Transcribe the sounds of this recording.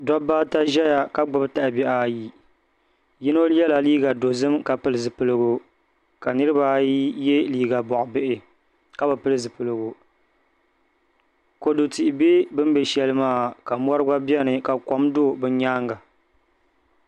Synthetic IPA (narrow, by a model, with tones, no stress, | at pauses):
dɔ˦baː˦ta˦ʒɛ˦ja˨ka˦ɡ͡bʊ˦bɨ˦ta˨ʔbɛ˨ʔaː˨ji˨ | jɪ˦no˦lɛ˦la˨liː˦ɡa˨do˨zɨ˦mka˨pɨ˨lɨ˨zɨ˨pɨ˨lɨ˦ɡo˨ | ka˨nɨ˦ɾɨ˦ba˦jɛ˦liː˦ɡa˨bɔ˨ʔʊ˨bɪ˦ʔɪ˨ | ka˦bɨ˨pɨ˦lɨ˦zɨ˨pɨ˨lɨ˨ɡo˨ | ko˨do˨ti˨ʔɪ˨be˦bɨ˦m˦bɛ˨ʃɛ˦lɨ˦maː˦˨ka˨m˦ɔ˦ɾɨ˦ɡa˦bi˦ɛ˦nɨ˨ka˨kɔ˦mdo˦˨bɨ˦ɲaː˦ŋɡa˨